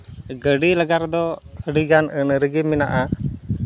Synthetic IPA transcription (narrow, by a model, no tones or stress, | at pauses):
ɡəɖiləɡard̪ɔəɖiɡanənəɾəɡimina̰ʔa